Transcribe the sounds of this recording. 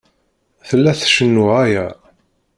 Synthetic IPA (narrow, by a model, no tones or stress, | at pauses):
θəlːæθʃənːuʁæjæ